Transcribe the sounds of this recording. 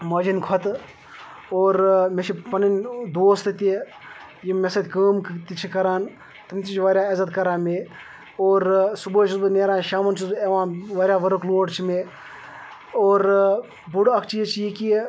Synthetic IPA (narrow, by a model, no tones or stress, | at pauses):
mɐd͡ʒinkʰɔt̪ | oːɾmeʃʰipɐnind̪oːst̪ɨt̪i | jimesɐt̪ʲkəːmkt̪it͡ʃʰikɐɾaːn | t̪ɐmt̪it͡ʃʰʋɐɾʲjaːɐzɐt̪kɐɾaːnme | oːɾsubuːt͡ʃʰusbɐneːɾaːʃaːmɐnt͡ʃʰuseʋãːʋɐːɾʲjaːʋɐɾɐkloːɖt͡ʃʰime | oːɾ | buɽɐkʰt͡ʃiːt͡ʃʰijiki